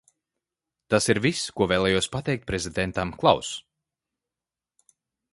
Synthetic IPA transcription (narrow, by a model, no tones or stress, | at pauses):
t̪asiɾviskuɔveːlˠɛːjuɔspat̪ɛjk̚t̪̚pɾɛzʲid̪ɛnt̪amklˠa̰ws